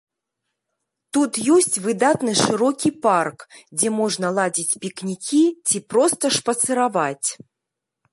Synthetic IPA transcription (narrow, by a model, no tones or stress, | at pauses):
t̪ut̪jɔsʲt͡sʲvɨd̪at̪nɨʂɨɾɔkʲiparkd͡zʲɛmɔʐnɐlˠad͡zʲit͡sʲpʲiknʲikʲit͡sʲipɾɔst̪ɐʂpɐt̪sɨɾavat͡sʲ